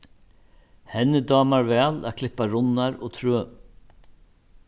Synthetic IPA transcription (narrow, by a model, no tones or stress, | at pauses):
hɛnːəd̪ɑːmaɾvɛːlaːkʰlɪpaɾʊnːaɾɔ̰ːt̪ʰɾøː